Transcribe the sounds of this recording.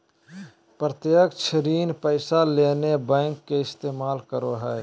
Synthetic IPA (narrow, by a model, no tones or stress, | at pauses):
pɾət̪jəkt͡ʃʰəɾiːnpəɪsalenebɛ̃ŋkːeɪst̪eːmaːlkəɾoɦɛː